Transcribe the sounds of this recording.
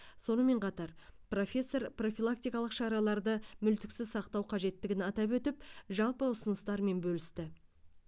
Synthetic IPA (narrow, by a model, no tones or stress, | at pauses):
so̞nəme̞ɴqʰɑt̪ɑɾpro̞fʲe̞sːo̞ɾpro̞fʲilˠak̚t̪ijkɑlˠəqʃɑɾɑlˠɑɾd̪əmʏlt̪ɪksɪzsɑqt̪ɑwqʰɑʒe̞t̪ːɪɡʲɪnɑt̪ɑpwɵt̪ɪpʒɑlˠpəʊsənəst̪ɑɾme̞nbɵlɪst̪ɪ